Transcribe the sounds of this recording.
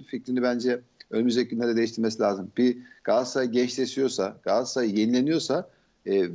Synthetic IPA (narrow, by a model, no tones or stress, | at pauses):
nficɾinibænd͡ʒɛønymyzec̚ːynlːʲeɾɛd̪ejiʃt̪ʰiɾmesilʲaːzɯmbiɡ̥alˠsajɟɛnt͡ʃt̪ʰeʃijo̞saɡ̥alˠsajje̞nilʲe̞nijo̞sa | ɛː